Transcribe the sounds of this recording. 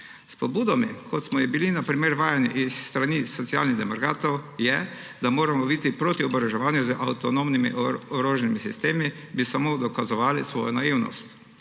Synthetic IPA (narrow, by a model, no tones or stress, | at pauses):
spɔbuːd̪ɔmikʰɔt̪smɔjibilinapɾimeːɾʋaːjaniʔisːt̪ɾaniːɔt̪sia̰lniɣd̪ɛmaɾɡaːt̪owjɛd̪amoːɾamɔit̪ipɾot̪iɔbɾɛʒɛʋaːnjuzəʔawt̪ɔnomnimḭʔɔɾoːʒnimisist̪eːmibisamod̪ɔkazɔʋaːlisʋɔ̰ːjɔnajiwnɔ̰st̪